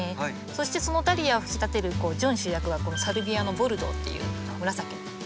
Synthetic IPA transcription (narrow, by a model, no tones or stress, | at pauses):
e | so̞ɕi̥t̪e̞so̞no̞t̪aɾʲiaoɸɯ̟kʲi̥t̪at̪e̞ɾɯ̟ko̞ːd͡ʑõɰ̃ɕɨːjakɯ̟βako̞no̞saɾɯ̟bʲiano̞bo̞ɾɯ̟d̪o̞̰ːt̪ːe̞̰jɯ̰ː | mɯ̟ɾasakẽ